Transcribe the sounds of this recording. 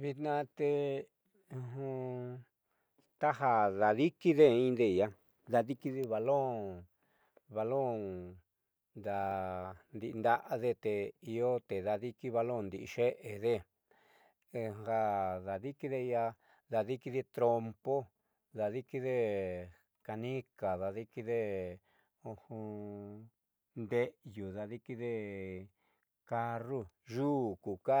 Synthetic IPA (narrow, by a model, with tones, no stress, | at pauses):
βi˧t̪nã˧t̪ẽ˧ | ɦũ˧ | t̪a˦ɦa˧ða˨ði˦ki˦ðe˦ĩ˦˧d̪e˧˨ja˧ | ða˧ði˦ki˧˦ði˧βa˧lõ˦˨ | βa˧lõ˦˨ | nd̪a˧nd̪i˧nd̪a˦ʔa˧ðe˧t̪e˧i˧o˦t̪e˨ða˧ði˦ki˦βa˧lõ˦˨nd̪i˨i˧ʃe˦ʔe˨ðe˦ | e˧ha˦ða˨ði˦ki˧ðe˦˧a˧ | ða˧ði˦ki˧ði˧t̪ɾo˧mpo˦ | ða˧ði˦ki˧ðe˦ | ka˧nĩ˦ka˨ða˧ði˦ki˧ðe˦ | o˧hũ˧ | nd̪e˦ʔju˨ða˧ði˦ki˦ðe˧ | ka˧ru˦ | ʒuː˦˨ku˨ka˦